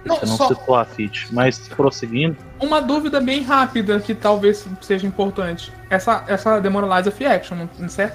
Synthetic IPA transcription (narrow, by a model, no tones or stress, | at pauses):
nɐ̃señɐ̃wsɔst̪oafit͡ʃɪ̥mɐjspɾoseɡĩnd̪ʊ | ũmɐd̪uvid̪ɐbẽj̃ɦapid̪ɐkɪt̪awvesseʒɐĩpoɾt̪ɐ̃t͡ʃɪ̥ | ɛsɐɛsɐd̪emɔɾɐlad͡ʒɐfiɛkʃõñsɛɾt̪ʊ